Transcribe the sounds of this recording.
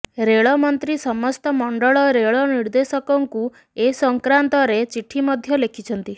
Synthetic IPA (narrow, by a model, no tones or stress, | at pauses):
ɾeɭɔmɔnt̪ɾisɔmɔst̪ɔmɔɳɖɔɭɔɾeɭɔniɾd̪esɔkɔŋku | esɔŋkɾant̪ɔɾet͡ʃiʈʰimɔd̪ʱjɔlekʰit͡ʃʰɔnt̪i